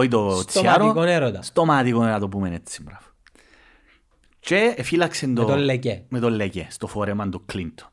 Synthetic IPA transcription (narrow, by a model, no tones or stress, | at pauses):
ɔjd̪ot̪sjaːɾokoneɾod̪ast̪omaːt̪ikoneɾaːd̪op̬umenɛt̪sːi̥mbɾaf | t͡ʃɛefilaksend̪od̪ɔlːɛkɛmed̪ɔlːɛkɛst̪ɔfɔːɾemand̪ukːlint̪